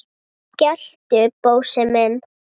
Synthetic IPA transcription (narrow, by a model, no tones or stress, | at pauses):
cɛl̥t̪ʏpowsɪmɛn